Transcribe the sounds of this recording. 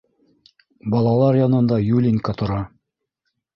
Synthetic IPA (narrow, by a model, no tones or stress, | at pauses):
bɑlˠɑlˠɑɾjɑnɤ̆nd̪ɑjulʲiŋʲkɑt̪ŏɾɑ